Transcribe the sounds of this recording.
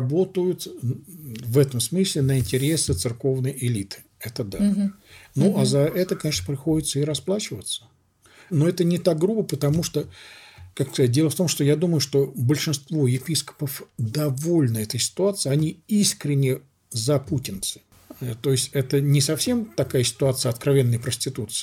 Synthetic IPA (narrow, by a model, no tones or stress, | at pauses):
ɐbo̞t̪əjʊt̪ | vɛt̪əmsmɨsʲlʲɪnəɪnʲtʲɪɾʲe̞sɨt̪sɨrko̞vnəjʔɪlʲit̪ɨ̥ | ɛt̪əd̪a | nuʔazɐʔɛt̪əkɐnʲeʂnəpɾʲɪxo̞dʲɪt̪səɪɾɐsplˠat͡ɕɪvət̪sə̥ | no̞ɛt̪ənʲɪt̪ak̚ɡɾubəpət̪ɐmuʂt̪okakskɐzat̚ʲdʲe̞lˠəft̪o̞mʂt̪ojad̪uməjʊʂt̪o̞bəlʲʂɨnst̪vo̞jɪpʲiskə̥pəfd̪ɐvo̞lʲnəɛt̪əjsʲɪ̥t̪ʊat̪sɨɪɐnʲiiskɾʲɪnʲːɪ | zɐputʲɪnt̪sɨ̥ | t̪o̞ɪsʲtʲɛt̪ənʲɪsɐfsʲe̞mt̪ɐkajəsʲɪ̥t̪ʊat̪sɨjəɐt̪kɾɐvʲe̞nːəjpɾəsʲtʲɪt̪ut̪sɨ̥ɪ̥